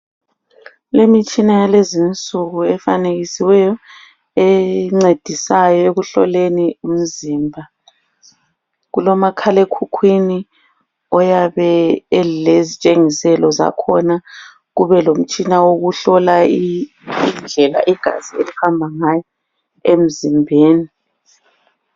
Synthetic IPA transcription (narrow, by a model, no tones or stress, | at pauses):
lemit͡ʃʼinajalezint͡sʼuɣuɛfa̰neɣisiwɛjɔ | ɛŋ͡ǀed̥ʱisajɔeɣuɬɔ̰lenium̩ziːmbʱa | ɣulɔmakʰalekʰukʰwini | ɔjaβɛlezit͡ʃʼeŋisɛlɔza̰kʰɔna | ɣuβɛlom̩t͡ʃʼinawoɣuɬɔlai | ind͡ɮʱɛla̰ʔiɡ̥ʱa̰zielihambʱaŋaːjɔ | em̩zimbʱeːni